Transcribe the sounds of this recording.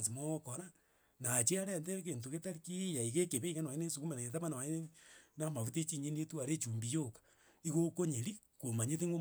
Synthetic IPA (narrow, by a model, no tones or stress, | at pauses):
simokoɾa | nat͡ʃeaɾentekentoɣetaɾikijaiɣekeβeiɣanaenesukumenaetamanawaenenamaβutet͡ʃiɲenetuaɾet͡ʃuːmbijokḁ | iɣokoɲeɾi | komaɲeθeŋɡo